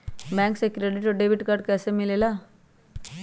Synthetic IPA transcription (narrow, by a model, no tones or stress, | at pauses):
bɛ̃ːŋksekɾeːɖɪʈɔɾɖeːbɪʈkəɾɖ̚kɛːsemɪlelaː